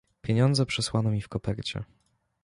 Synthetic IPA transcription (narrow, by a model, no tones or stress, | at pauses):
pʲjeɲɔnd̪zɛpʂɛswanɔmʲifkɔpɛɾt͡ɕɛ̰